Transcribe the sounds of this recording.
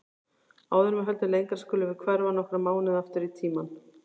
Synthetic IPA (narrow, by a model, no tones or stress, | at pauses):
aːwðʏnmɛɦɛlt̪ʏlejŋkaɾ̥skʏːlɪvɪðkʰvɛɾvanɔhkɾamaːwnɪðaft̪ʏɾit̪ʰiːman